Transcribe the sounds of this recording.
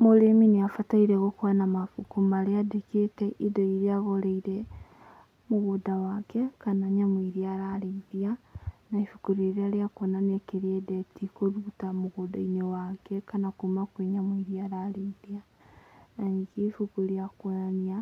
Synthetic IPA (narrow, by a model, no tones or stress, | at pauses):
moɾemineafataiɾeɣokwanamafukumaleadeketɛʔidoiɾiaɣoɾeiɾe | moɣudawakɛkanaɲamoiɾiaɾaɾiðianaifukuɾeɾeaɾiakonaniakeɾiedɛtʰikoɾutamoɣudaiɲewakɛkanakumakweɲamwiɾiaɾaɾiðia | nanikifukuɾiakwonania